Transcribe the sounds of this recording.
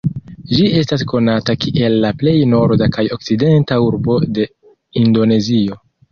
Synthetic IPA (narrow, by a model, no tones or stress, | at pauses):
d͡ʒie̞stasko̞natakiʔe̞lːaple̞jno̞ɾdakajo̞k̚t͡sside̞ntauɾbo̞de̞ | indo̞ne̞zio̞